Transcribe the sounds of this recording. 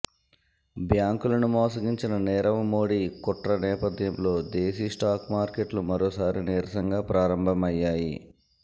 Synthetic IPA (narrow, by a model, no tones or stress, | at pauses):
bjaːŋkulɐnumɔːsɐɡiɲt͡ʃinɐnɛːɾɐʋɐmoːɽikɔʈɾɐnɛːpɐd̪jɐmlo̞ːd̪eːsiːsʈaːkmaːɾkeʈlumɐɾoːsaːɾineːɾɐsɐŋɡaːpɾaːɾɐmbʱɐmɐjːaːjḭ